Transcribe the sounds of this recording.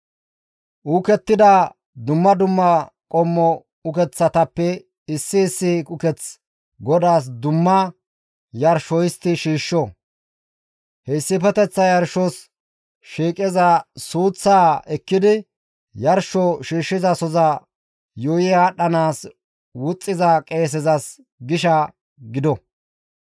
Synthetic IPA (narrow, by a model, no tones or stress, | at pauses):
ʔuːkɛt̪ːɪd̪ɐ | d̪ʊmːɐd̪ʊmːɐ | kʼɔmːɔ | ʊkɛt͡sːɐt̪ɐpːɛ | ɪsːɪːsːɪkʼʊkɛt͡s | ɡɔd̪aːs̬d̪ʊmːɐ | jɐɾʃɔjɪst̪ːɪʃiːʃːɔ | hɛɪsːɪpɛt̪ɛt͡sːɐjɐɾʃːɔs | ʃiːkʼɛzɐsuːt͡sːaːɛkːɪd̪ɪ | jɐɾʃɔʃiːʃːɪzɐsɔzɐ | joːjɪaɗɐnaːs | wʊt͡sʼːɪzɐkʼe̞ːs̬ɛzɐs | ɡɪʃɐ | ɡɪd̪ɔ